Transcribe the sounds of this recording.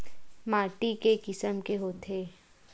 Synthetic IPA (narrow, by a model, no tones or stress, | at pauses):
maːʈikekɪsəmkeɦoːt̪ʰeː